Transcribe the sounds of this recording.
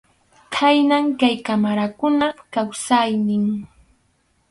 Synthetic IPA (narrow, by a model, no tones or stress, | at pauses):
kʰajnaŋkajkamaɾakʊnakawsajnɪŋ